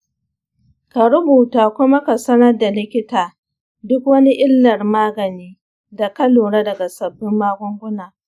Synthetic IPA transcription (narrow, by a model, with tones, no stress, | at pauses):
ka˨ɾʊ˦buː˨taː˨kʷʊ˦ma˦ka˨sɐ˦nɐ˦rda˨lɪ˦kʲɪ˦taː˨ | dʊ˦kwɐ˦ni˦ʔɪ˦lːɐ˨rmaː˦ɡɐ˨niː˦ | da˨kɐ˦loː˨ɽaː˦dɐ˨ɡa˨sɐ˨bːɪ˦mːaː˦ɡʷʊ˦ŋɡʷʊ˦naː˨